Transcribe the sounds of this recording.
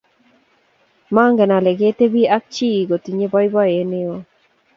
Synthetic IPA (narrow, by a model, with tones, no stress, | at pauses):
ma˦ŋɡɛ˨na˨lɛ˨ɡe˦t̪e˦bi˦a˦k̚t͡ʃi˦˨ɡo˨t̪i˨ɲe˦bɔ˦jbɔ˦e˨˦nɪ˦ɔ˦